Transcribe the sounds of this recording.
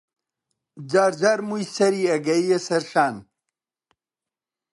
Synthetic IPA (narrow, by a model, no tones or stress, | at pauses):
d͡ʑaːɾd͡ʑaːɾmujsɐɾiːɐɡɐiesɐɾʃaːn